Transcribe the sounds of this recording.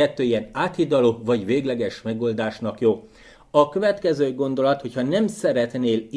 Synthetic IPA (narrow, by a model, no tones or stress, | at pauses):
ɛt̪ːøːijɛnaːt̪id̪ɒloːvɒɟʋeːɡlɛɡɛʃmɛɡold̪aːʃnɒkjoː | ɒkøvɛt̪kɛzøːɡo̞nd̪o̞lɒt̪ho̞chɒnɛmsɛɾɛt̪neːli